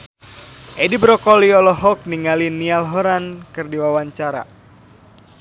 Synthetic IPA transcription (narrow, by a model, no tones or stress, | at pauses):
ʔedibɾɔkɔliɔlɔɦɔk̚niŋalinialɦɔɾankɨrdiwawaɲt͡ʃaɾa̰